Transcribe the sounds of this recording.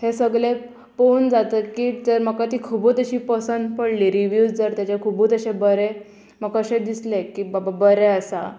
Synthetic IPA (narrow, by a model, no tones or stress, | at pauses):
hesəɡɭe | pond͡zat̪əkiːd͡zəɾməkːat̪iːkʰubuːt̪əɕiːpəsənd̪pəɽliɾiʋjud͡zd͡zəɾt̪jat͡ɕakʰubuːt̪əɕẽbəɾe | məɡkəɕẽd̪islekiːbababəɾeəsa̰